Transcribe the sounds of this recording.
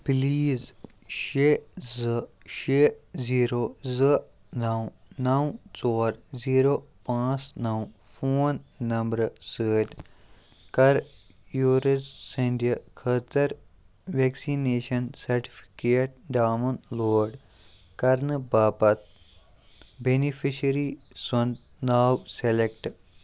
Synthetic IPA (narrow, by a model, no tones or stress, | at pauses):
pliːz | ʃezɨ | ʃeziːɾoːzɨ | nɐw̃ | nɐwt͡soːɾziːɾoː | pãːt͡snɐw | fʰoːnːɐmbɾsəːʈ̪ | kɐɾ | juːɾezːɐnd̪ɐkʰəːt͡sɐɾ | ʋeːksineːʃɐnsɐɾʈi̥pʰi̥keːʈ̚ɖaːmɐnloːɖ | kɐɾnɨbaːpɐt̪̚ | benipʰiʃɐɾi | sɐnd̪ | naːwselekʈ